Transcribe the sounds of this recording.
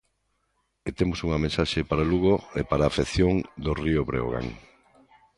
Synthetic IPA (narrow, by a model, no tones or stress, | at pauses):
et̪emosuŋɐmẽnsaʃepaɾaluɣoepaɾaːfeθjoŋd̪orioβɾḛo̰ɣa̰ŋ